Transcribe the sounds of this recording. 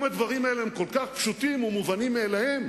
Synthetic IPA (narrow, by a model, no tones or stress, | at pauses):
mad̪vaʁimaelehemko̞lkaχpʃut̪imumuvanimːeːlahe̞m